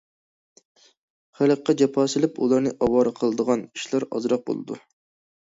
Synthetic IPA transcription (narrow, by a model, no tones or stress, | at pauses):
χæləqːɑd͡ʒɑpʰɑːsɨlɪpulˠɑɾnɨʔɑwɑːɾɨqʰəlˠəd̪əʁɑniʃlˠɑɾɑ̰zɾɑq̚bo̰lˠɨ̰d̪ṵ